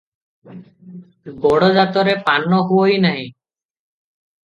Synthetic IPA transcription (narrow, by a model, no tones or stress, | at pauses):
ɡɔɽɔzat̪ɔɾepanːɔɦuoinaɦĩ